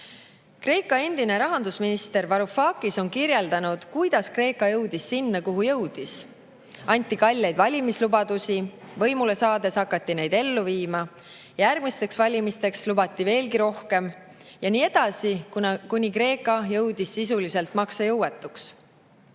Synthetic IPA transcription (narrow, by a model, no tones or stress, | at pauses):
kre̞ːkːˑɑe̞nd̪̥ine̞ɾɑɦɑnd̪usminist̪e̞rvɑɾufɑːkiso̞nkirje̞ld̪ɑnud̪̥kujd̪̥ɑskre̞ːkːˑɑjɤwd̪̥isːinːɑkuɦujɤ̞wd̪̥is | ɑnʲt̪ːˑikɑlʲːejd̪̥vɑlʲimislubɑd̪̥usi | vɤ̞jmule̞sɑːd̪e̞sɑkːɑt̪ːine̞jd̪̥e̞lːuviːmɑ | jɑjærɡmist̪e̞ksvɑlʲimist̪e̞kslubɑt̪ːˑive̞ːlɡiɾo̞hke̞m | jɑniːe̞d̪̥ɑsikkunʲikre̞ːkːˑɑjɤwd̪̥isːis̬ulise̞lt̪ˑmɑksɑjɤwe̞t̪ːˑuks